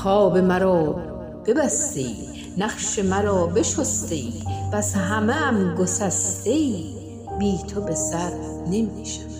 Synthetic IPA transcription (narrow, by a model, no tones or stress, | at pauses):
xɒːbe̞mæɾɒː | b̥e̞bæst̪ḛḭː | næχʃemæɾɒːbe̞ʃost̪eiːpʰæsɦæmeːmɡosæst̪eiː | biːt̪ʰobesæɾ | ne̞miːʃæ̥